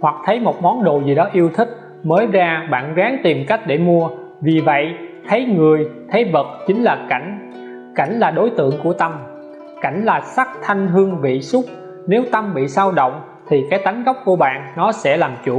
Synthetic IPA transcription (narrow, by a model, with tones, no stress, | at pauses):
hwa˨˩k̚t̪ʰə˨˦jmo˨˩t̚mɔ˨˦nɗo̰˧˨zi˨˩ɗɔ˨˦ʔi˧əwt̪ʰï˦˥k̚ | məː˨˦jzaː˧ɓa̰ː˧˨nzaː˨˦ŋt̪i˨˩mka˦˥jk̟̚ɗe˧˩mu˧ə | vi˨˩və̰˧˨jʔt̪ʰə˨˦jŋɨ˨˩əjt̪ʰə˨˦jvə˨˩t̚t͡ɕï˨˦ŋ̟laː˨˩ka˧˩jŋ̟ | ka̰˧˩jŋ̟laː˨˩ɗo˨˦jt̪ɨ̰˧˨əŋku˧˩ət̪ə˧m | ka˧˩jŋ̟laː˨˩sa˦˥k̚t̪ʰa˧jŋ̟ɦɨ˧əŋvḭ˧˨sʊ˦˥k͡p̚ | ne˨˦wt̪ə˧mɓḭ˧˨saː˧wɗo̰˧˨wŋ͡m | t̪ʰi˨˩kaː˨˦jt̪a˨˦jŋ̟ɣa˦˥wk͡p̚ku˧˩əɓa̰ː˧˨nnɔ˨˦sɛ̰˧˥laː˨˩mt͡ɕṵ˧˩